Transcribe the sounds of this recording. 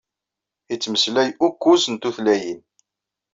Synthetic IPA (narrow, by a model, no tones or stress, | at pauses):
it͡sːməslæjukʷːusənt̪uθlæjin